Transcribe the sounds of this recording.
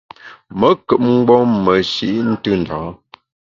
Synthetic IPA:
mə˨˦kə˨p̚ŋ̩˦ɡ͡bɔ˦mə˨ʃḭ˦ʔn̩˦tɨ˦n̩˨da˨˦

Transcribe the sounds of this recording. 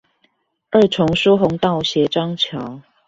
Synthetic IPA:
ə˥˩ʈ͡ʂʰʊ˧˦ŋʂu˥ɦʊ˨˧˦ŋt̪ɑ˥˩ʊɕjɛ˨˥ʈ͡ʂɑ˥ŋt͡ɕʰjɑ˨˦ʊ

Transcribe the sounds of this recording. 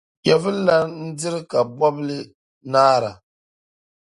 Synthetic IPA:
jɛ˨vɨ˦lla˦n̩˦dɪ˦ɾɨ˦ka˨bɔ˦blɨ˦ | naː˦ɾa̰˨

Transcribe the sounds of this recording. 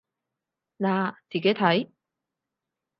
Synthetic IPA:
naː˨˩t͡siː˨˩ke˨˥jt̪ʰɐ˨˥j

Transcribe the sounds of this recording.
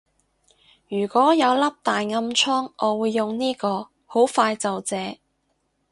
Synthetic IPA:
jyː˨˩kʷwɔː˨˥jɐ˨˧wlɐ˥p̚t̪aː˨jŋɐ˧mt͡ʃʰɔː˥ŋʔɔː˨˧wuː˨˧jːʊ˨ŋniː˥kɔː˧ | ho˨˥wfaː˧jt͡sɐ˨wt͡sɛː˨˧

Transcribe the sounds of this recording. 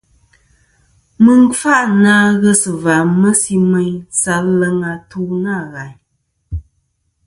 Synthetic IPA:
mɨ˦ŋ˦fa˦ʔnaː˦ɣə˦sɨ˨va˨mə˦si˦mɛ˦ɲsa˦lə˦ŋa˨tuː˦na˦˨ɣa˨ɲ

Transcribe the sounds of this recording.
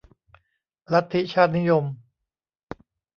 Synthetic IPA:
la˦˥t̪ʰːi˦˥t͡ɕʰaː˥˩t̪̚ni˦˥jo˧m

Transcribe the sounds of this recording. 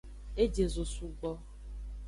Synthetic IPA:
e˦d͡ʒe˨zo˨su˨ɡ͡bɔ˦

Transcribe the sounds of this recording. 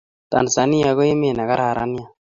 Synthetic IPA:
ta̰˨nsa˨ni˦a˨ɣo˦e˦me˨na˨ka˦ɾa˨ɾa̰˦ni˦a˨

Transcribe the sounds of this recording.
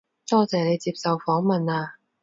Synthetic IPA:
t̪ɔː˥t͡sɛː˨ne˨˧jt͡siː˧˥p̚sɐ˨wfɔː˨˥ŋmɐ˨naː˧

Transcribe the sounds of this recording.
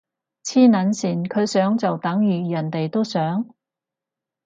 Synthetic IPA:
t͡sʰiː˥nɐ˨˧˥nsiː˨˩nkʰɵ˨˧ɥsœː˨˥ŋt͡sɐ˨wt̪ɐ˨˥ŋjyː˨jɐ˨˩nt̪e˨jt̪o˥wsœː˨˥ŋ

